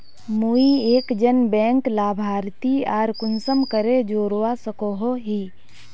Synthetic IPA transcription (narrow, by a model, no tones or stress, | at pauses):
muieːkd͡ʒənbɛ̃ːŋklaːbʱaːɾt̪iaːɾkʊnsəmkəɾed͡ʒoːɾwasəkoɦoɦiː